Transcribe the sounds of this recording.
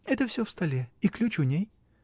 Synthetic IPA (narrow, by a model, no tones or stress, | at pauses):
ɛt̪əfsʲɵfst̪ɐlʲeiklʲut͡ɕʊnʲej